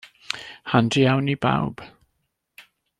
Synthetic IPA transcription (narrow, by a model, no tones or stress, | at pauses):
handiawniba̰wb̥